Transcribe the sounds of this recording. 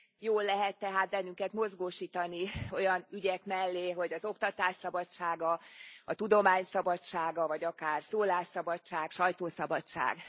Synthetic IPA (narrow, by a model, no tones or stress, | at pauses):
joːlːɛɦɛt̪ːɛɦaːt̪̚bɛnːyŋkɛt̪mo̞zɡoːʃiːt̪ɒnio̞jɒnyɟɛkmɛlːeːɦo̞ɟɒzo̞kt̪ɒt̪aːʃsɒbɒt͡ʃaːɡɒɒt̪ud̪o̞maːɲsɒbɒt͡ʃaːɡɒvɒɟɒkaːrsoːlaːʃsɒbɒt͡ʃaːkʃɒjt̪oːsɒbɒt͡ʃa̰ːɡ